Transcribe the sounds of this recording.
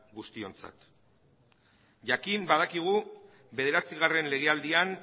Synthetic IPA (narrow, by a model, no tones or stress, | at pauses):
ɣust̪io̞nt͡sa̰t̪ | ʝakimbað̞akiɣ̞u | βe̞ð̞e̞ɾat͡siɣ̞are̞nle̞ɣ̞e̞ald̪ian